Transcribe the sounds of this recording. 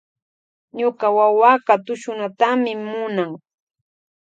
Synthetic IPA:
ɲʊɢawawakat̪ʊʃʊnat̪amɪmʊnaŋ

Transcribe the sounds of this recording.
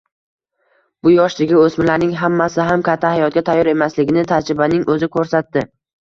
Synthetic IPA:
b̥ʊjɒʃlɪɡʲɪɵsmɪlaɾnɪŋɦamːasɪɦamkʲʰat̪ʰːahajɒt̪̚ɡʲat̪ʰajːɒɾe̞maslɪɡʲɪnɪt̪ʰad͡ʒɾɪbanɪŋʔɵzɪkʰɵɾsat̪d̪ɪ

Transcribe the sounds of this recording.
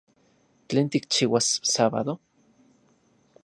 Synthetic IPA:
t͡ɬeːnt̪ikt͡ʃiːwasːaːβa̰ðo

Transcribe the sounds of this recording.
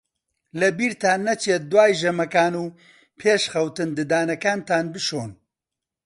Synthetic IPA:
lɐbiːɾt̪ʰaːnːɐt͡ʃʰeːt̪̚d̪uwaːjʒɐmɐkaːnuː | pʰeːʃχɐwt̪ɨnd̪ɨd̪aːnɐkaːnt̪ʰaːnbɨʃoːn

